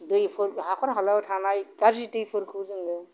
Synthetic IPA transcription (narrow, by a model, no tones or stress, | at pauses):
dɯjpʰɯɾɦakʰɔnɦɔlatʰanajkaɾzitɯjpʰɯɾkʰɯzɯŋɡɯ